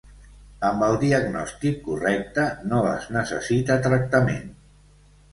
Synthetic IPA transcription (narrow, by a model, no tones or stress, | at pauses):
əmbəlˠd̪iəɡnɔst̪ikːurɛk̚t̪ənoə̰znəsə̰sit̪ət̪ɾək̚t̪əmḛn